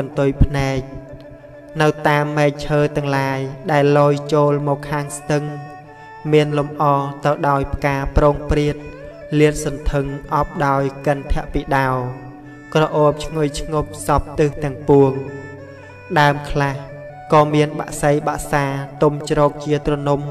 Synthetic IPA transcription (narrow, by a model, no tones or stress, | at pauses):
ɓɑnt̪ujpʰnaɛk̚ | nɨwt̪aːmːɛːk̚t͡ɕʰəːt̪ɛ̆əŋlaːjɗaɛlːoːjt͡ɕoːlmɔːkʰːaːŋst̪ɨŋ | miənlumʔɑːt̪ɨwɗaɔjpʰkaːprɔːŋpriət̪̚ | liət̪̚sɑnt̪ʰɨŋʔɑp̚ɗaɔjkənt̪ʰɛ̆əʔpiːɗaɔ | krɑʔoːp̚t͡ɕʰŋujt͡ɕʰŋop̚sɑp̚t̪ɨht̪ɛ̆əŋpuəŋ | ɗaəmkʰlah | kɑːmiənɓa̰ʔsəjɓa̰ʔsaːt̪umt͡ɕrɔːk̚t͡ɕiət̪rɔnum